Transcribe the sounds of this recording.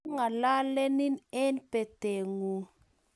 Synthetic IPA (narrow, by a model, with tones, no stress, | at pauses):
ŋa˨la˦lɛ˦ni˦nɛ˦npe˨te˨ŋu˨